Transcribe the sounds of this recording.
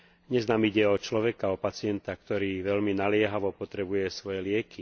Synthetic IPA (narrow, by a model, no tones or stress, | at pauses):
ɲɛznaːmiɟɛɔt͡ʃlɔʋɛkaɔpat͡sɪɛnt̪ak̚t̪ɔɾiːʋɛʎminalɪɛɦaʋɔpɔt̪ɾɛbujɛsʋɔjɛlɪɛki